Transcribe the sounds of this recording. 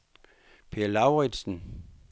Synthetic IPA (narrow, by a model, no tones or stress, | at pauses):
pʰe̝ɐlɑ̈ʊʁɛd̥sn̩